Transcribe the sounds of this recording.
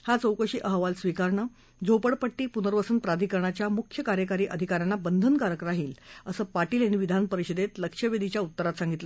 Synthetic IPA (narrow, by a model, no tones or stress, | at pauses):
hat͡sowkəɕiːʔəɦʋalsʋikaɾɳə | d͡zʱowpəɽpəʈːiːpunəɾʋəsənpɾad̪ʱikəɾɳat͡ɕjamukʰjəkaɾjəkaɾiːʔəd̪ʱikaɾjanːabənd̪ʱənkaɾəkɾaɦiːləsəːpaʈiːlaɽ̃iʋid̪ʱanpəɾiɕəd̪et̪ləkʂəʋed̪ʱit͡ɕjaut̪ːəɾat̪sãŋɡit̪lə